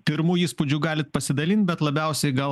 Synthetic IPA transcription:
pʲɪɾmuːjiːspʊd͡ʒʲuɡɑːlʲɪt̪̚pɐsʲɪd̪ɐlʲɪnt̪̚ʲbʲɛt̪lˠɐbʲɛˑʊsʲɛɪɡɐlˠ

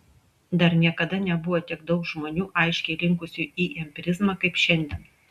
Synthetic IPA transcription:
d̪ɐɾnʲiɛkɐd̪ɐnʲɛbʊʋoːt̪ʲiɛɡd̪ɐʊkʒmoːnʲuːʔɐɪʃʲkʲɛɪlʲɪŋkʊsʲuʔiːɛmʲpʲɪɾʲɪzmɐkɐɪpʃʲɛnʲd̪ʲiɛːn

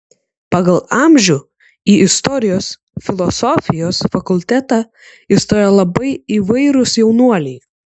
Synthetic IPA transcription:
pɑɡɐlˠɑˑmʲʒʲuː | iːʔɪst̪ɔɾʲɪjoːs | fʲɪlˠɔsɔfʲɪjoːsfɐkʊlʲt̪ʲæt̪ɑ | ɪst̪oːjɛlˠɐbɐɪiʋɐɪɾʊsjɛʊnuɔlʲɛɪ

